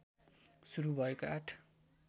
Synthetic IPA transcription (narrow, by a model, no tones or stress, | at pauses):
suɾubʱʌekoaʈʰ